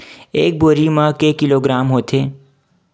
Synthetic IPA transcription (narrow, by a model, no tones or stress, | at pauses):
eːk̚boːɾimãkekɪloɡɾaːmɦoːt̪ʰeː